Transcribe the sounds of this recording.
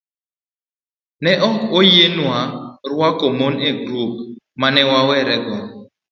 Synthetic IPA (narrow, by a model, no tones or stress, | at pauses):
nɛʔɔojenwaɾwakomoneɡɾop | manɛwawɛɾɛɡɔ